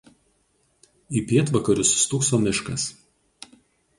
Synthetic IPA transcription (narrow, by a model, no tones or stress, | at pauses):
iːpʲiɛt̪ʋɐkɐɾʲʊsst̪ʊksoːmʲɪʃkɐ̰s